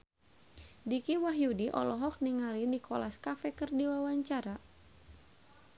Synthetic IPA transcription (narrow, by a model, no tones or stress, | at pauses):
dikiwaɦjudiʔɔ̰lɔɦɔk̚niŋalinikɔlaskafɛkərdiwawaɲt͡ʃaɾa